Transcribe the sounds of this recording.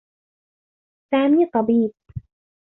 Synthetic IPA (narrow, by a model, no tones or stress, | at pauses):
saːmiːt̪ˤɑbiːb̚